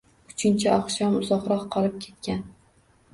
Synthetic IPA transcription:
ʊt͡ʃʰɪnt͡ʃʰaɒqʃɒmʊzɒqɾɒqʰːɒlˠɪp̚kʲʰe̞̥t̪̚kʲan

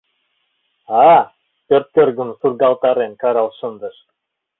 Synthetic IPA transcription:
ɑ | pørt̪̚kørɡunsurɡɑlˠt̪ɑɾenkɑɾɑlˠʃɤ̆nd̪ɤ̆ʃ

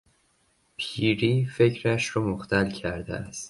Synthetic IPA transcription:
pʰiːɾiːfe̞cʰɾæʃɾɒmoxt̪ʰælcʰæɾd̪ḛæst̪

